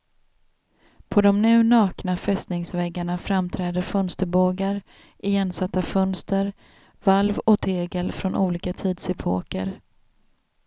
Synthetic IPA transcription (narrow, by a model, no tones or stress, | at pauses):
pʰɔd̪ɔmnʉ̟ːnɑːknafɛst̪nɪŋsvɛɡːaɳafɾamt̪ʰɾɛːd̪əɾfœnst̪əɾboːɡaɾ | ʔɪjɛnsat̪ːafœnst̪əɾ | valvɔt̪ʰeːɡəlfɾɔnʔuːliːkat̪ʰiːd̪sɪpʰo̰ːkə̰ɾ